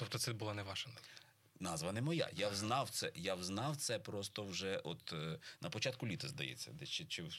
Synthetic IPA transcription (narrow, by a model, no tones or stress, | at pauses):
t̪ɔp̚t̪ɔt̪sɛbʊlˠanɛʋɑʃɐnɑzʋɐ | nɑzʋɐnɛmɔja̰jawznɑwt̪sɛjawznɑwt̪sɛpɾɔst̪ɔwʒɛʔɔt̪nʔɐpɔt͡ʃɑt̪̚kʊlʲit̪ɪzd̪ɐjɛ̰t͡sʲːɐ̰d̪ɛt͡ʃɪt͡ʃɪ